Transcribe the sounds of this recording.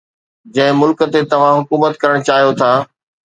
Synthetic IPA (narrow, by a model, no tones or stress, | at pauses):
d͡ʑɐ̃ɦɪ̃mʊlkə̆t̪et̪ɐʋ̤ãɦʊkuːmət̪kɐɾəɽ̃t͡ɕaːɦijot̪ʰaː